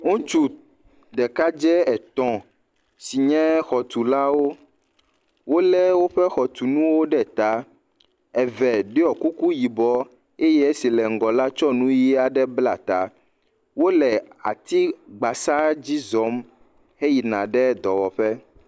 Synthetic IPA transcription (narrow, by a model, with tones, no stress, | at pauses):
ŋõ˦t͡ʃu˨ | d̪ɛ˨ka˦d͡ʒɛ˦ɛ˨t̪ɔ̃˨ | si˨ɲɛ̃˦xɔ˨t̪u˨la˦wo˦ | wo˦lɛ˦wo˦ɸɛ˦xɔ˨t̪u˨nũ˦wo˦ɖɛ˦t̪a˦ | ɛ˨vɛ˨ɖe˦ɔ˨ku˦ku˦ji˨bɔ˦ | e˦jɛ˦e˦si˨lɛ˨ŋ̩˨ɡɔ˨la˦t͡ʃɔ˦nũ˦ji˦a˨ɖɛ˦bla˨t̪a˨ | wo˦lɛ˨a̰˨t̪i˦ɡ͡ba˨sa˦d͡ʑi˦zɔ˨˦m | hɛ˦ji˨nã˨ɖɛ˦d̪ɔ˨wɔ˨ɸɛ˦